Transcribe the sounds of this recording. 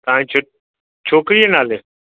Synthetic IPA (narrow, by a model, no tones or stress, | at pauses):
t̪ãːĩːt͡ʃʰo | t͡ʃʰoːkɾienaːleː